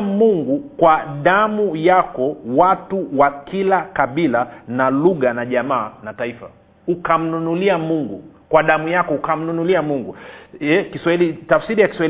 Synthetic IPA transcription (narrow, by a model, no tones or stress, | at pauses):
muŋɡukwaɗamujakɔwatuwakilakaɓilanaluɣanaʄamaːnataifa̰ | ukam̩nunuliamuŋɡukwaɗamujakɔukam̩nunuliamuŋɡuɛkiswahilitafsiɾijaki̥swai